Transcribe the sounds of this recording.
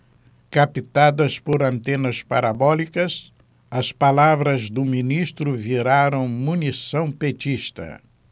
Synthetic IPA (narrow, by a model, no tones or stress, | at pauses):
kapit̪ad̪ɐspoɾɐ̃nt̪ẽnɐspaɾabɔlikɐs | ɐspalavɾɐzd̪ʊminiʃt̪ɾʊviɾaɾɐ̃w̃munisɐ̃w̃pet͡ʃiʃt̪ɐ̰